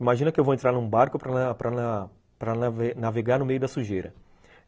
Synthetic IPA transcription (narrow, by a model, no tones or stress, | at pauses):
imaʒĩnɐkɪewvowẽnt̪ɾaɾnũbaɾkʊpɾɐpɾɐna | pɾɐnavenaveɡaɾnʊmejʊd̪ɐsuʒejɾɐ̰